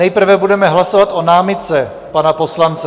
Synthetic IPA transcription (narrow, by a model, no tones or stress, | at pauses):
ɛjpr̩vɛbudɛmɛɦlasovat̪ʔo̞naːmɪt̪t͡sɛ | panapo̞slant͡sɛ